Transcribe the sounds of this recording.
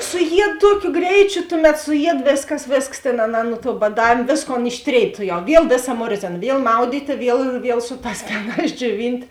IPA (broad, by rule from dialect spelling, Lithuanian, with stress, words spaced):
sʊˈjiɛt ˈtuɔkʲʊ ˈɡrʲɛɪt͡ʃʲʊ ˈtʊˌmʲɛt sʊˈjiɛt ˈʋʲeːsˌkɐs ˈʋʲeːsˌks tʲeːn ɐˈnɑː nʊ tuɔ bɐˈdɑːʋʲeːm ˈʋʲeːsˌkoːn ɪʃʲˈtʲrʲeːɪt ˈtʊˌjɛʊ ˈʋʲiɛlˠ ˈʋʲeːˌsɐ ˈmoːrʲzʲeːnɐ ˈʋʲiɛlˠ ˈmɐʊdʲiːtʲeː ˈʋʲiɛlˠ ˈʋʲiɛlˠ ˈsʊ ˌtɑːs ˈfʲæːnɑːs d͡ʒʲoːˈʋʲɪnʲtʲ